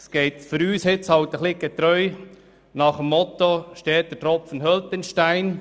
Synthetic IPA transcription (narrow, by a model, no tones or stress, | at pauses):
sɡ̥ɛɪt̪fʏɾyːshɪt͡shɑlt̪əχliɡ̥et̪ɾœʏ | nɑχəmːɔt̪oʃteːt̚d̥̪ətɾɔpfənɦœltɪnʃtaɪn